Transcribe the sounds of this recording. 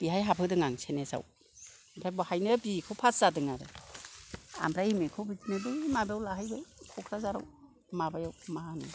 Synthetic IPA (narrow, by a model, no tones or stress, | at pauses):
b̥iɦajɦapʰɯdɯŋaŋsʰenesa̰w | ampʰɾajbɔhajnɯbikʰowpʰasz̥adɯŋaɾḛ | a̰mpʰɾajimekʰɯwbitnɯdɯimabeawlahajbɯkʰɔkʰɾazaɾa̰w | mabajawmaanu